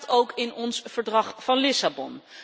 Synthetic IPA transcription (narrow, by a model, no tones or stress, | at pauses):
towkɪnɔnsv̥əɹdrɑχfɑnlɪsabɔn